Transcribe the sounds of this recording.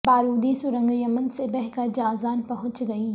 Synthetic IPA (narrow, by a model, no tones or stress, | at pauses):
baːɾuːd̪isʊɾə̃ŋɡijəmənsebɛɦkəɾd͡ʑaːzaːnpɐɦʊ̃t͡ɕɡɐiː